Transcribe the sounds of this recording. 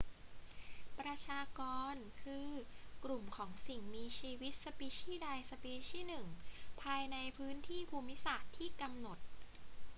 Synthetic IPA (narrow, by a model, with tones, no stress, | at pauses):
pɾa˧t͡ɕʰaː˧kɔː˧nkʰɯː˧kɾu˨˩mkʰɔː˩˦ŋsi˨˩ŋmiː˧t͡ɕʰiː˧wi˦˥t̪̚sa˧piː˧˥t͡ɕʰiː˥˩daː˧jsa˧piː˧˥t͡ɕʰiː˥˩nɯ˨˩ŋpʰaː˧jna˧jpʰɯː˦˥nt̪ʰiː˥˩pʰuː˧mi˦˥saː˨˩t̪ʰːiː˥˩ka˧mno˨˩t̪̚